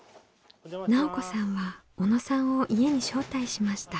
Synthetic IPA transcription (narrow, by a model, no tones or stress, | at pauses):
naoko̞sãɰ̃βa | o̞no̞sãɰ̃o̞ʔie̞ɲ̟iɕo̞ːt̪aiɕimaɕi̥t̪a